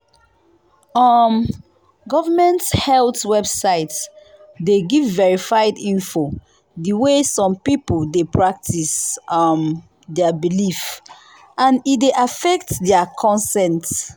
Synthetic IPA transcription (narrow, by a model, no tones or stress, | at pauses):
ɔm | ɡɔvamɛ̃nthɛltwɛbsaɪt | deɡivːɛɹifajdĩnfo | diwesɔ̃mpipoldepɹak̚tʰisɔm | dɛabilif | ãnitdeʔafɛk̚tdɛakʰɔ̃nsɛ̃nt